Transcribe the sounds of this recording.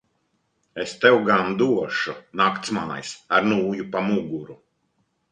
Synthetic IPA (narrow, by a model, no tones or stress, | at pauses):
est̪ɛwɡand̪uɔʃunakt̪smana̰jsaɾnuːjupamuɡuɾu